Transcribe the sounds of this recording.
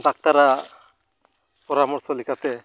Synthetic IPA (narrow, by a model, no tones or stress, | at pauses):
d̪ak̚t̪aɾa | pɔɾamɔɾsɔlikat̪ɛ